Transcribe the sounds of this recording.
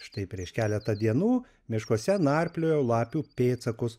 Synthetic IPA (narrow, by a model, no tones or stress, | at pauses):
ʃt̪ɐɪpʲɾʲiɛʃkʲæːlʲɛt̪ɐd̪ʲiɛnuː | mʲɪʃkoɔsʲɛnɑːɾʲpʲlʲoːjoʊlˠɑːpʲuːpʲeːt̪sɐkʊs